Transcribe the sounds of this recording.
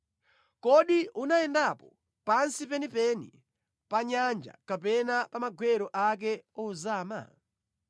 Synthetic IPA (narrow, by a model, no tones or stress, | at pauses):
kɔɗiʔunaɛndapɔ | pansipɛnipɛnḭ | paɲand͡ʒa̰kapɛnapamaɡʱwɛɾɔʔak̬ɛɔuzaːma̰